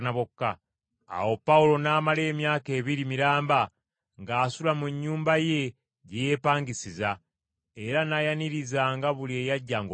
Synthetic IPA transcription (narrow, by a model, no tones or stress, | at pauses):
naβokːa̰ː | wo̞pːaulo̞naːmale̞ːmjaːke̞ːβiɾimiɾaːmba | ŋɡaːsulamuɲːuːmbaje̞ | ɟejeːpaːŋɡisiza | e̞ɾanajaniɾizaŋɡaβulie̞ːjaɟːaːŋɡo